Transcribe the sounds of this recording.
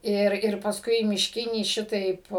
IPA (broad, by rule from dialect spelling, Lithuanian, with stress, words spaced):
ˈɪr ɪr pɐsˈkʊɪ mʲɪʃʲˈkʲɪnʲiː ˈʃʲɪtɐɪp